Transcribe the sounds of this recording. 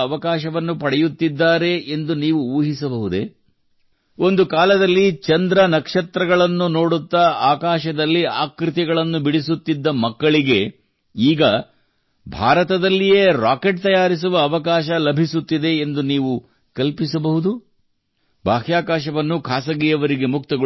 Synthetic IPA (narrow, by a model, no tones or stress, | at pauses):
ɐʋɐkaːʃɐʋɐnːupɐɽɛjut̪ːid̪ːaːɾe̞ʔend̪uniːʋuuːɦisɐbɐɦud̪e | o̞nd̪ukaːlɐd̪ɐlːit͡ʃɐnd̪ɾɐnɐkʂɐt̪ɾɐɡɐɭɐnːuno̞ːɽut̪ːɐaːkaːʃɐd̪ɐlːiaːkɾit̪ɛɡɐɭɐnːubiɽisut̪ːid̪ːɐmɐkːɐɭiɡe̞ | iːɡɐ | bʱa̰ːɾɐt̪ɐd̪ɐlːijeːɾaːke̞ʈt̪ɐjaːɾis̬uʋɐːʋɐkaːʃɐlɐbʱisut̪ːid̪e̞ːnd̪uniːʋu | kɐlpisɐbɐɦud̪u | bʱaːɦjaːkaːʃɐʋɐnːukʰaːsɐɡijɐʋɐɾiɡe̞mukt̪ɐɡɐ